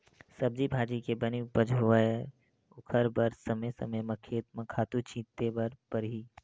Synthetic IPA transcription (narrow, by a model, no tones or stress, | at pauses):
səb̚d͡ʒibʱaːd͡ʒikebənipəd͡ʒɦoʋae | ʊkʰəɾbəɾsːəməsə̰məməkʰːeːt̪̚mɐ̃kʰaːt̪ut͡ʃĩːt̪ebəɾpəɾɦi